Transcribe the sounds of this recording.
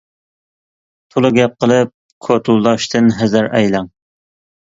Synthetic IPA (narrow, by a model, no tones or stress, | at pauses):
p̪ʰʊlˠɨɡʲɛp̚qəlˠɨp̚ | kʰot̪ʰulˠd̪ɑʃt̪ʰɨnɦæzæɾɛ̰jlɑŋ